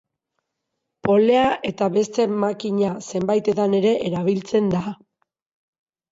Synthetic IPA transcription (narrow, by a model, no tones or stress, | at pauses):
po̞le̞aʔe̞t̪aβe̞st̪e̞makiɲase̞mbajt̪et̪ane̞ɾe̞ʔeɾaβ̞ilt͡se̞nd̪a